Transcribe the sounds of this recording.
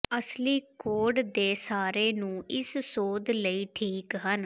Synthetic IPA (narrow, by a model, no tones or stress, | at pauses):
əsliːkoːɖd̪eːsaːɾeːnũːɪsːoːd̪ləiːʈʰiːkɦən